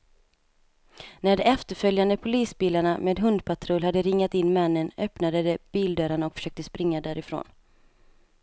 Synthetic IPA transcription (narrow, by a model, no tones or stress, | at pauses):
næɖɛɛft̪əɾfœljand̪əpʰʊliːsbiːlːaɳameːd̪ɦɵnd̪̚pʰat̪ʰɾɔlhad̪ːəɾɪŋːat̪ɪnːmɛnːənœpnad̪əd̪ɛb̥iːld̪œːɾaɳaɔkfœ̥ʂœːk̚t̪əspɾɪŋːad̪æːɾɪfɾo̰ːn